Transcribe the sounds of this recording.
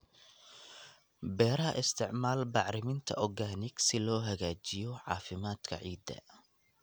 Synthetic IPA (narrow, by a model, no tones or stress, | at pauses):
bɛːɾɐɦɐʔɪst̪ʰɪʕmaːlbɑʕɾɪmɪnt̪ʰɐ̰ʔɔɡaːnɪɡsɪlɔːɦɐɣaːt͡ʃɪjɔʕɑ̰ːfɪmaːd̪̥kʰɐ̰ʕiːd̪ɐ̰